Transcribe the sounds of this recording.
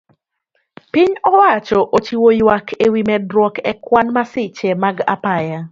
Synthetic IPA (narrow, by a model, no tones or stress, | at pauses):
pɪɲɔwat͡ʃɔʔot͡ʃiwojwakʰewimɛdɾwɔkɛkwanmasɪt͡ʃɛmaɡa̰paja